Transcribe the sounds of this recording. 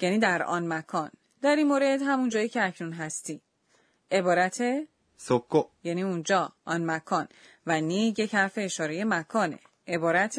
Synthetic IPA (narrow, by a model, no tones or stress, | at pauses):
jæniːd̪æɾɒ̰nmækʰɒːn | d̪̥æɾinmoɾe̞d̪hæmund͡ʒɒːjiːcʰeæcʰnunɦæst̪iː | e̞bɒːɾæt̪ʰe | sokʰːojæniːund͡ʒɒːʔɒnmækʰɒn | vænije̞chæɾfe̞ːʃɒːɾe̞je̞mækʰɒːne̞̰ | ʔe̞bɒːɾæt̪ʰ